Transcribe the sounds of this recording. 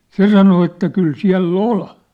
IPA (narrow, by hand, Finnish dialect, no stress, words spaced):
se sɑno etːæ kyl siæ̝lː ol